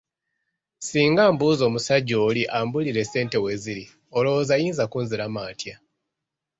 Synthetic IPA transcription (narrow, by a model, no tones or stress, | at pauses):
siːŋɡaːmbuːzo̞ːmusaɟːo̞ːliʔaːmbuliɾe̞se̞ːnte̞we̞ːziɾi | olo̞wozajiːnzakuːnziɾamaːtja